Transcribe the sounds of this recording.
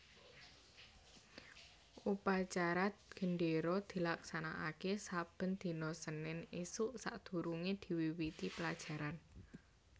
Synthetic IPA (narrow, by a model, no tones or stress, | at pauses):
upat͡ʃaɾaɡ̥ə̤ɳɖeɾɔd̪̥i̤laksana̰ʔa̰kesab̥ə̤nd̪̥i̤nɔsənɪnisuʔsa̰ʔd̪̥ṳɾuŋed̪̥i̤wiwit̪ipəlad̥ʒ̥a̤ɾan